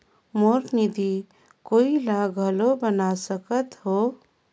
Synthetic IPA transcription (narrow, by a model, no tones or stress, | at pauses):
moːɾknid̪i | koːilaɡʱəlobənasəkət̪ɦoː